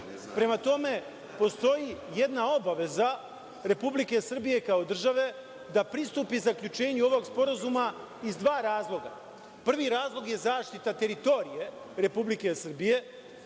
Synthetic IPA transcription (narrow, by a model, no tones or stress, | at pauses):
pɾe̞mat̪o̞me̞ | po̞st̪o̞jijed̪nao̞baʋe̞za | ɾe̞publike̞sr̩bije̞kao̞d̪r̩ʒaʋe̞ | d̪apɾist̪uːpizakʎut͡ʃe̞ːɲuo̞ʋo̞ɡspo̞ɾazuma | izd̪ʋaːɾaːzlˠo̞ɡa̰ | pr̩ʋiɾaːzlˠo̞ɡje̞zaːʃt̪it̪at̪e̞ɾit̪o̞ɾije̞ | ɾe̞publike̞sr̩bije̞